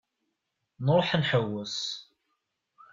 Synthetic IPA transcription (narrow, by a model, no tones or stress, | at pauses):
nɾˤoħənħəwːəs